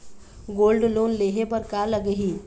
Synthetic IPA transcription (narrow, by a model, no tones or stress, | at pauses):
ɡoːlɖloːnleːɦepəɾkaləɡɦiː